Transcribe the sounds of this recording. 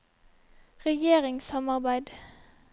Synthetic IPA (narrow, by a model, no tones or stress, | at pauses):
ʁɛjeːʁɪŋsɑmɑʁbæɪd̪